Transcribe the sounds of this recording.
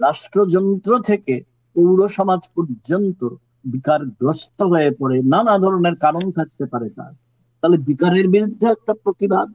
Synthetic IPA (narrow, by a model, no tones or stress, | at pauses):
ɾaʃʈɾod͡ʑɔnt̪ɾot̪ʰeke | powɾoʃɔmad͡ʑpɔɾd͡ʑont̪o | bikaɾɡɾost̪oɦoepɔɾenanad̪ʱɔɾoneɾkaɾont̪ʰak̚t̪epaɾet̪a̰ɾ | t̪aɦlebikaɾeɾbiɾud̪ʱːeɛk̚ʈapɾot̪ibad̪̚